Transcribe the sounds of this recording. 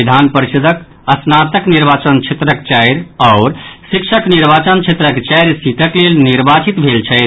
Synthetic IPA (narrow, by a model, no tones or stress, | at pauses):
id̪ʱanpəɾiʃud̪ʱək | əsnat̪əkniɾbat͡ʃənt͡ʃʰet̪ɾəkt͡ʃɛjɾaʊɾsikʃʰəkniɾbat͡ʃənt͡ʃʰet̪ɾəkt͡ʃɛjɾsit̪əklelniɾbat͡ʃit̪bʱelt͡ʃʰɛɪt̪